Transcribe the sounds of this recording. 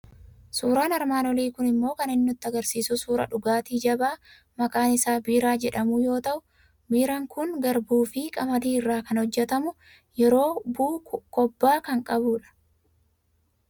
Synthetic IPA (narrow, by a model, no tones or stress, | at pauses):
suːɾaːnɐɾmaːnɔliːkʊnɪmːo̞ːkɐnɪnːʊt̪ːɐɡɐɾsiːsʊsuːɾɐ̰ᶑʊɡaːt̪iːd͡ʒɐbaː | mɐkʼaːnɪsaːbiːɾaːd͡ʒɛᶑɐmʊjo̞ːt̪ɐʔʊ | biːɾaŋkʊŋɡɐɾbuːfɪkʼɐmɐd̪iːɪrːaːkɐnhɔd͡ʒːɛt̪ɐmʊ | jɛɾo̞ːbuːkɔbːaːkɐŋkʼɐbuːᶑɐ̥